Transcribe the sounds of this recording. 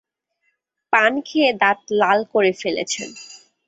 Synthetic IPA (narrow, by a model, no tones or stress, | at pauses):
pankʰied̪at̪̚lalkoɾefelḛt͡ɕʰḛn